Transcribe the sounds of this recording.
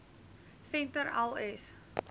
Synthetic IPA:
fɛntəɾɛlˠɛs

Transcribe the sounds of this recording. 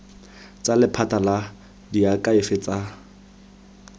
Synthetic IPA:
t͡sʼalɪpʰatʼala | diakʼaɪfɪt͡sʼa

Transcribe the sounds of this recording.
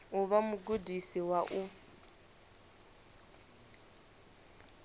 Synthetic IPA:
ʊβamʊɡudisiwaʔu

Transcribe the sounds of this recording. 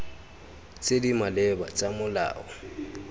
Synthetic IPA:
t͡sʼedimalɛba̰t͡sʼamʊla̰ːɔ̰

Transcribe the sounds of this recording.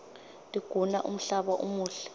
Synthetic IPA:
tʼiɡ̥ʱunaʔum̩ɬaɓaʔṵmuːɬɛ̥

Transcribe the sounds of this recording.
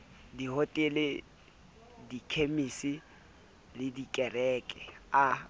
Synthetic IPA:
dihotʼɪlɪ | dikʰemisi | lɪdikʼɛrɛːkʼɛa

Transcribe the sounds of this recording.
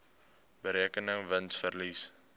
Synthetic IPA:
bəɾikənəŋvənsfərlis

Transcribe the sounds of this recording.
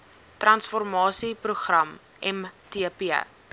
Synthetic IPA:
trɐnsfɔrmɑːsipruχrɐm | ɛmtiəpiə̰

